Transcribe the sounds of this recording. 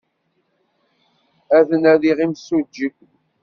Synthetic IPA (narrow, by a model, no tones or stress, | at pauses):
æðənæðiʁimsud͡ʒːəkʷ